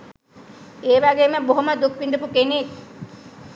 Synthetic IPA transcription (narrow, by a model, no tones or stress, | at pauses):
eːʋaɡeːməboɦoməd̪ukʋiɳɖupukenek